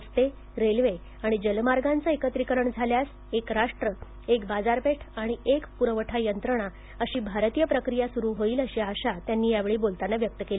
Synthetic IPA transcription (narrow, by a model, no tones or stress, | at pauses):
st̪e | ɾelʋe | aɽ̃id͡ʑəlmaɾɡant͡saekət̪ɾikəɾəɳd͡zʱaljas | ekɾaʂʈɾə | ekbad͡zaɾpeʈʰaɽ̃iʔekpuɾəʋəʈʰajənt̪ɾəɽ̃a | əɕiːbʱaɾt̪ijəpɾəkɾijasuɾuɦoiːləɕiaɕat̪janːiːjaʋeɭiːbolt̪anːaʋjək̚t̪əkeli